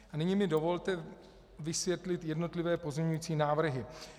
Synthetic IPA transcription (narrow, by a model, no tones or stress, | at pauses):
anɪɲɪmɪdo̞vo̞lt̪ɛ | vɪsvjɛt̪lɪt̪jɛdno̞t̪lɪvɛːpo̞zmɲɛɲujiːt͡siːnaːvr̩ɦɪ